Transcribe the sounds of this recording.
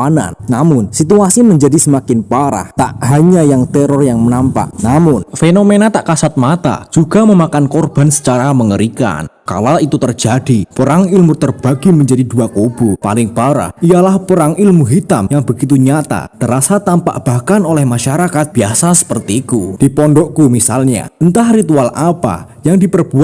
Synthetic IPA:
ana̰nnamʊnsit̪uasiməɲd͡ʒadisəmakɪnpaɾa̰ht̪a̰ʔɦaɲajaŋt̪ɛɾʊrjaŋmənampa̰ʔnamʊnfenomenat̪aʔkasat̪̚mat̪a̰d͡ʒ̥uɡaməmakankorb̥ansə̥t͡ʃaɾaməŋəɾika̰nka̰lait̪ut̪ərd͡ʒadipəɾaŋilmut̪ərb̥aɡiməɲd͡ʒadiduakob̥upa̰lɪŋb̥aɾa̰ijalahpəɾaŋilmuɦit̪amjaŋbəɡit̪̬uɲat̪a̰t̪əɾasat̪ampa̰ʔb̥akanolɛhmaʃaɾakat̪̚b̥iasasə̥pərt̪iːkud̥ipɔndɔʔkumisalɲa̰ənt̪ahrit̪ualapa̰ | jaŋdipərb̥u

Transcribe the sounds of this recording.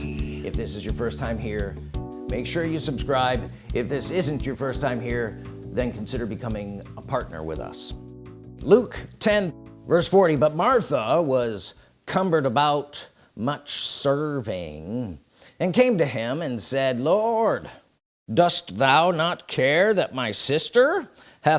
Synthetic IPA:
ɨfðɪsɨzjə˞fɜ˞stʰãɪ̃mɦiɹ | meɪkʃʊɹjɨsɨbskɹaɪb | ɪfðɪsɪzɨ̃nt͡ʃə˞fɜ˞stʰãɪ̃mhiɹðɨ̃nkʰn̩sɪɾə˞bɨkʰʌmɪ̃ŋəpʰɑɹtⁿnə̰˞wɪ̰ðʌ̰s | luktʰɛ̃nvɜ˞sfɔɹɾibʌt̚mɑɹθəwʌz̥ | kʰʌ̃mbə˞ɾəbaʊt | mʌt͡ʃsɜ˞vɪ̃ŋ | ɨ̃nkẽɪ̃mtɨɪ̃mɨ̃nsɛdˡlɔɹdː | ʌst̪ðaʊnət̚kʰɛɹðɨt̚maɪsɪstə˞ | hæ

